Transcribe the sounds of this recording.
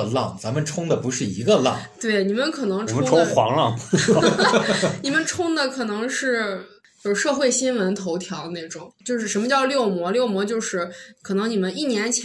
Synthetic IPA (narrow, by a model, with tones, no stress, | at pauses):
lɑ˥˩ŋt͡sa˧˥mə˨nʈ͡ʂʰʊ˥ŋd̪ə˨˩pu˧˥ʂɻ̩˥˩i˧˥ɡə˧lɑ̰˥˩˨t̪we˥˩ɪni˨˩mə˧˦nkʰɤ˨˩nɤ˧˥ŋʈ͡ʂʰʊ˥ŋʰo˥xwɑ̰˧˥ŋlɑ˥˧ŋ | ni˨˩mə˧˦nʈ͡ʂʰʊ˥ŋd̪ə˨kʰɤ˨˩nɤ˧˥ŋʂɻ̩˥˩ | t͡ɕjo˥˧˩ʂɤ˥˧xwe˥˩ɪɕi˥nwə˧˥nt̪ʰo˧˥ʊt̪ʰjɑ˧˥ʊne˥˩ɪʈ͡ʂʊ˨˩˦ŋt͡ɕjo˥˧ʊʂɻ̩˥˩ʂə˧˥nmə˧t͡ɕjɑ˥˧ʊljo˥˩ʊmwɔ˧˥ljo˥˩ʊmwɔ˧˥t͡ɕjo˥˧ʊʂɻ̩˥˩kʰɤ˨˩nɤ˧˥ŋni˨˩mə˦ni˥˩njɛ˧˥nt͡ɕʰ